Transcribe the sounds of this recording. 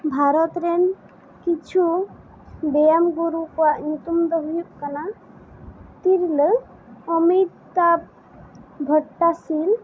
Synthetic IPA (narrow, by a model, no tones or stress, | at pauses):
bʱaɾɔt̪ɾen | kit͡ʃʰu | bejamɡuɾukwaʔɲut̪umd̪ɔɦujuʔkana | t̪iɾlə | ɔmit̪ː | ap̚ | ɡʱɔʈːasil